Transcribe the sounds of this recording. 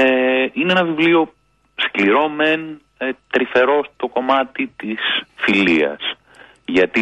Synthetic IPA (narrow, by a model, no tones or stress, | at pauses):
eineenɐvivlio̞ | skliɾo̞men | t̪ɾife̞ɾo̞st̪o̞ko̞mɐt̪it̪isfiliɐ̰s | ʝɐt̪i